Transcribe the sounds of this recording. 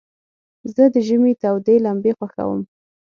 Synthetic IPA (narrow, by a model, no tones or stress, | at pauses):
zəd̪əʒəmet̪awd̪elambexwaxa̰wə̰m